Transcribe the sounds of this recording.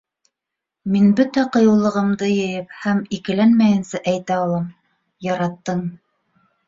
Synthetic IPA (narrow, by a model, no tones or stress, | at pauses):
minbɵt̪æqɤ̆jɤ̆wlˠɤ̆ʁɤ̆md̪ɤjɤ̆jɤp̚hæmikɘ̆lænmæjɘ̆nsæʔæjt̪æɑlˠɑm | jɑɾɑt̪ːɤɴ